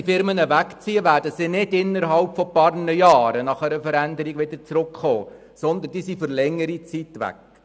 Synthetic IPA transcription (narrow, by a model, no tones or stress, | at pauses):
ifɪɾmənəʋækt͡siəʋæːɾdəsinɪdɪnːəɾɦɑlpfɔpɑːɾnəjɑːɾənɑχæɾəfəɾænd̪əɾiɡʋɪd̪əɾt͡sɾʊkχoː | sɔnd̪ənd̥isifoɾlɛŋːəɾit͡sit̪ʋæ̰k